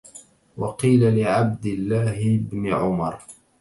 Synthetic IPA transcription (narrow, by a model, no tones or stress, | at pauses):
wɑqiːlalɪʕab̚d̪ɪlːaːhɪbnɪʕʊmɑɾˤ